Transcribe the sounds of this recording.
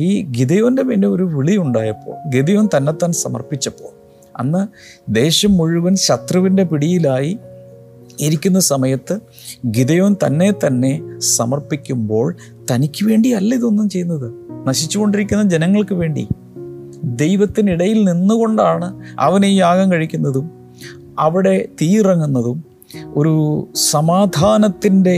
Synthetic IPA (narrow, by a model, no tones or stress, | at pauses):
iːɡiðɐjo̞ːnde̞ʋeːndeo̞ɾuʋiɭiuɳɖaːjɐpːo̞̰ːɭɡiðɐjo̞ːnt̪ɐnːe̞t̪ːaːnsɐ̰mɐ̰rpit͡ɕːɐpːo̞̰ːɭ | ɐ̰nːɨ | d̪e̞ːɕɐmːuɻuʋɐnɕɐt̪rɐʋinde̞piɽijilaːji | iɾikʲːunːɐsɐmɐjɐt̪ːɨ | ɡiðɐjo̞ːnt̪ɐnːe̞t̪ɐnːe̞sɐ̰mɐrpikʲːumbo̞ːɭ | t̪ɐnikʲːɨʋe̞ːɳɖiɐlːɐiðo̞nːumt͡ɕe̞jːnːɐðɨnɐɕit͡ɕːuɣo̞ɳɖiɾikʲːunːɐd͡ʑe̞nɐŋːɐɭkɨʋe̞ːɳɖḭ | d̪e̞jʋɐt̪ːiniɽɐjilninːuɣo̞ɳɖaːɳɨɐ̰ʋɐnejiaːɣɐmkɐɻikʲːunːɐðum | ɐʋiɽe̞t̪iːrɐŋːunːɐðum | o̞ɾusɐmaːd̪ʱaːnɐt̪ːinde̞